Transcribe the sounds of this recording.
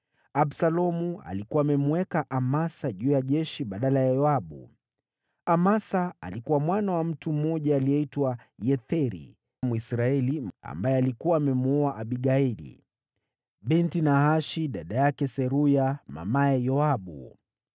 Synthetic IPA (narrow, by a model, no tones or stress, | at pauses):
aɓsalɔmua̰likuaːmɛmuwɛkaʔamasaʄuːjaʄɛʃiɓaɗalajajɔaɓṵ | amasaa̰likuwamwanawam̩tum̩ːɔʄaːlijɛitwajɛθɛɾḭ | muisɾaɛlia̰mbajɛalikuwaːmɛmuɔaʔaɓiɠailḭ | ɓintinahaʃiɗaɗajakɛsɛɾujama̰maɛjɔaɓṵ